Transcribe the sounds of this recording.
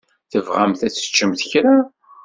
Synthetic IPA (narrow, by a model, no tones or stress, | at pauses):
θəvʁæmθæt͡sːə̥t͡ʃːəmθəçɾa